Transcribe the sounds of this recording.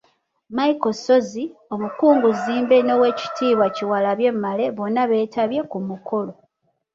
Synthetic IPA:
maikoso̞zio̞mukuːŋɡuziːmbe̞no̞we̞ci̥tʰiːβwaciwalaβje̞mːale̞βo̞nːaβe̞ːtʰaβje̞kumukʰo̞lo̞

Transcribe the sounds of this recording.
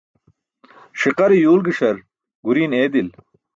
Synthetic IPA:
ʂiqɐɾijuːlɡiʂɐɾ | ɡuɾiːneːd̪il

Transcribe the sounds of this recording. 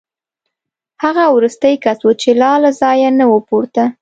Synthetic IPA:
haɣawɾust̪əjkaswut͡ʃelɑlazɑjanawəpuɾt̪a

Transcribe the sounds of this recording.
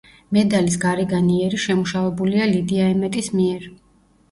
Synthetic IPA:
mɛd̪alis̬ɡaɾɛɡaniɛɾiʃɛmuʃavɛbulialid̪iaɛmɛt̪ʼismiɛɾ

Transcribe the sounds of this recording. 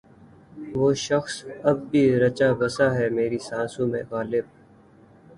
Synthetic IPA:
ʋoːʃəxsɐb̚ːʱiɾɐt͡ʃabɐsaɦɛːmeːɾisãːsũmḛ̃ɣaːlɪb̚

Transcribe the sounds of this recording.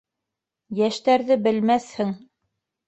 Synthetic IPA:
jæʃt̪æɾðɘbɘ̆lmæθhɘŋ

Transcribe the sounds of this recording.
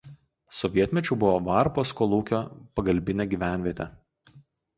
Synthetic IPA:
sɔʋʲiɛt̪ʲmʲɛt͡ʃʲʊbʊʋɔʋɑˑɾpoːskɔːlˠuːkʲoːpɐɡɐlʲbʲɪnʲɛːɡʲiːʋʲæˑnʲʋʲiɛt̪ʲɛ

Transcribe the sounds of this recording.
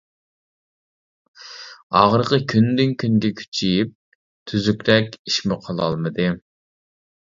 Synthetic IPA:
ɑ̰ʁəɾqəkʲʰynd̪ɪŋkʲʰynɡʲɛkʲʰy̥t͡ʃʰijip̚ | t̪ʰyzykʲɾɛkʲiʃmɪqʰəlˠɑ̰lˠmɨd̪ɨ

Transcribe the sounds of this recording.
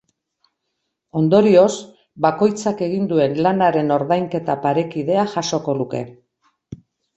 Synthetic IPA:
o̞nd̪o̞ɾio̞s | bako̞jt͡sake̞ɣind̪ue̞nlanaɾe̞no̞ɾðajŋke̞t̪apaɾe̞kið̞e̞aʝaʃo̞ko̞luke̞̰

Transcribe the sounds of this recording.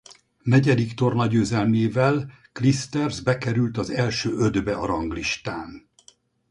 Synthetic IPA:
nɛɟɛd̪ikt̪o̞rnɒɟøːzɛlmeːvɛl | klist̪ɛrzbɛkɛɾylt̪ɒzɛlʃøːʔød̪bɛɒɾɒŋɡliʃt̪aːn

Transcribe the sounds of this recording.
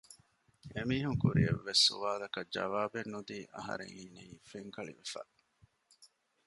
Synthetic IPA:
emiːɦuŋkuɾieʋːesːṵʋaːlɐkɐd͡ʒɐ̰ʋaːbenːud̪iːʔɐɦɐ̰ɾḛŋiːneiːfeŋkɐɭḭʋefa̰ː

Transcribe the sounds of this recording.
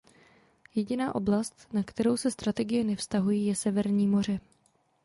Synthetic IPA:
jɛɟɪnaːʔo̞blast̪nakt̪ɛɾo̞wsɛst̪ɾat̪ɛɡɪjɛnɛfst̪aɦujiːjɛsɛvɛɾɲiːmo̞r̝ɪ

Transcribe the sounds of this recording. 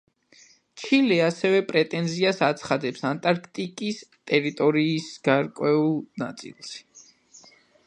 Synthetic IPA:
t͡ʃʰilɛasɛvɛpʼɾɛt̪ʼɛnziasat̪sʰχad̪ɛpsant̪ʼaɾkʰt̪ʼikʼist̪ʼɛɾit̪ʼɔɾiːsɡ̥aɾkʼwɛulˠna̰t̪sʼḭlˠʃ

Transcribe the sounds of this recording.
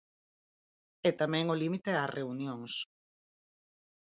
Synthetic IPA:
ɛt̪amɛ̃ŋolimit̪eareunjoŋs

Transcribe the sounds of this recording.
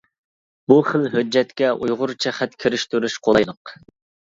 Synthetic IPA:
buχəlɦød͡ʒːɛt̪kʲɛʔujʁʊɾt͡ʃʰɛχɛt̪kʲʰiɾɪʃt̪yɾyʃqʰolˠɑjlˠəq

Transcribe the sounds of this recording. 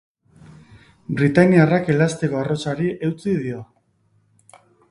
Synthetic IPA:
bɾit̪aniarake̞last̪eko̞aro̞saɾiʔe̞wt͡siðio̞

